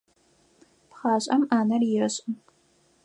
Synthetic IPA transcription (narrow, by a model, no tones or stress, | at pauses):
pχɑːɕʼɐmaːnɐrjɪɾɨɕʼɪ